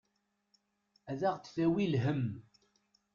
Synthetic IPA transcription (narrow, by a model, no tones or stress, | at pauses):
æðæʁt̪θæwilɦəm